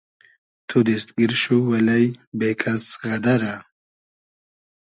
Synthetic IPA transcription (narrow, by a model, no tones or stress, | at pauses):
t̪ʰud̪ist̪̚ɡiɾʃuwɐlɐjbekʰasɣɐd̪ɐɾa